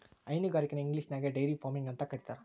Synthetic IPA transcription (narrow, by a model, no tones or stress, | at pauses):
ɐɪnɯɡaːɾikːɐnɐɪŋɡlisnaːɡɐɖɐjɾifaːmɪŋɡɐnt̪akɐɾɪt̪ːaːɾ